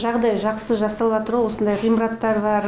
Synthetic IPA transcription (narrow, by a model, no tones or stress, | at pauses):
ʒɑʁd̪ɑjʒɑqsəʒɑsɑlˠɑt̪əɾɑwo̞sənd̪ɑjʁijməɾɑt̪ːɑɾbɑɾ